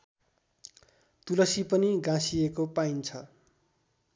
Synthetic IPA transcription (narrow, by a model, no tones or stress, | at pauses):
t̪ulʌsipʌniɡãsijekopaint͡sʰʌ